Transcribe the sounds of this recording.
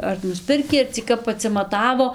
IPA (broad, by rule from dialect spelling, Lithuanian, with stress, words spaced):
ɐr nʊsʲˈpʲɪrʲkʲiː ɐr t͡sʲiː ˈkɐp ɐtʲsʲɪmɐˈtɑːʋoː